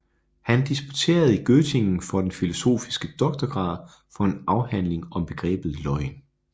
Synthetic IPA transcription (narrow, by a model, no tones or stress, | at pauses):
hænd̥isb̥u̥t͡sʰe̝̰ːɐð̞̩ˠiɡ̥øt͡sʰe̝ŋn̩fɒ̽d̥enfilo̝so̝̰ːfi̥sɡ̥əd̥ɒ̽ɡ̥̚d̥ɐɡ̥ʁɑ̰̈ːð̞ˠ | fɒ̽e̝nɑ̈ʊhæn̰le̝ŋɒ̽mb̥e̝ɡ̥ʁɛ̰ːb̥ð̩ˠlɒ̽ɪn